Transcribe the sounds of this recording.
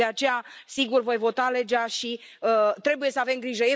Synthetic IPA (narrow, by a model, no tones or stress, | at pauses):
eat͡ʃe̞jasiɡurvo̞jvo̞t̪ale̞d͡ʒaʃiət̪ɾe̞buje̞səave̞mɡɾiʒəje